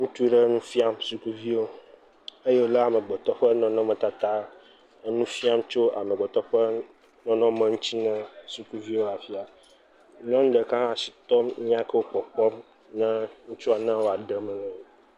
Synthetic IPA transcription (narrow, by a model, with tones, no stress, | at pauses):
ŋũ˦t̪u˦ɖə˦nũ˦fi˦a˨msu˨ku˦vi˦wo˦ | ə˦je˦wo˦la˦a˨mə̃˨ɡ͡bɔ˨t̪ɔ˦ɸə˦nɔ̃˨nɔ̃˦mə̃˨t̪a˨t̪a˦ | nũ˦fi˦a˦mt͡ʃo˦a̰˨mə˨ɡ͡bɔ˨t̪ɔ˦ɸə˦ | nɔ̃˨nɔ̃˦mə̃˨ŋũ˦t͡ɕi˦nə̃˦su˨ku˦vi˦wo˦a˨fi˦a˨ | ɲɔ̃˦ŋ˦ɖə˨kã˦a˨si̥˨t̪ɔ˦mɲĩ˦ã˦kə˦wo˦k͡pɔ˨k͡pɔ˦m | nɛ̃˦ŋũ˦t͡ʃu˦a˨nã˦wo˦a˨ɖə˦mə̃˨nɛ̃˨